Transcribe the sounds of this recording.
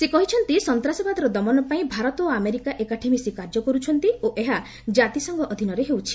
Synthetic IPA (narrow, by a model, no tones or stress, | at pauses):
sekɔɦit͡ʃʰɔnt̪isɔnt̪ɾasɔbad̪ɔɾɔd̪ɔmɔnɔpaĩbʱaɾɔt̪oameɾikaʔekaʈʰemisikaɾd͡ʒɔkɔɾut͡ʃʰɔnt̪ioʔeɦa | d͡ʒat̪isɔŋɡɔʔɔd̪ʱinɔɾeɦewt͡ʃʰi̥